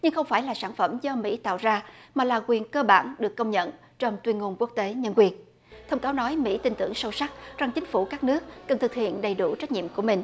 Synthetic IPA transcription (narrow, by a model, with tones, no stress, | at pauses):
ɲɨ˧ŋxə˧wŋ͡mfaː˧˩jlaː˨˩saː˧˩nfə˧˩mzɔ˧mḭ˧˥t̪a̰ː˧˨wzaː˧maː˨˩laː˨˩kwi˨˩ənkəː˧ɓa̰ː˧˩nɗɨ˨˩əkːə˧wŋ͡mɲə̰˧˨n | t͡ɕɔ˧wŋ͡mt̪wi˧nŋo˧nku˦˥ək̚t̪e˨˦ɲə˧nkwi˧˩ən | t̪ʰə˧wŋ͡mkaː˨˦wnɔ˨˦jmḭ˧˥t̪ï˧˩ŋ̟t̪ɨ̰˧˩əŋsə˧wsa˦˥k̚za˨˩ŋt͡ɕï˨˦ŋ̟fu˧˩kaː˦˥k̚nɨ˦˥ək̚ːə˨˩nt̪ɨ˨˩k̚hḭ˧˨ənɗə˨˩jɗu˧˩t͡ɕa˦˥jk̚ɲḭ˧˨əmku˧˩əmï˨˩ŋ̟